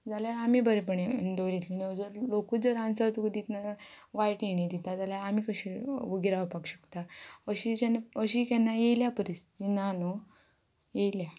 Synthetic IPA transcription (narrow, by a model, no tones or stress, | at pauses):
d͡zaljaɾamibəɾepəɳed̪oɾit̪lined͡zəɾlokud͡zəɾãnt͡sat̪ukd̪it̪na | ʋaiʈiɳ̃id̪it̪ad͡zaljaɾamiːkəɕiʋəɡiɾaəpakɕə̥kt̪aəɕid͡ʑanəɕikanːajeljapəɾist̪inano | jejlja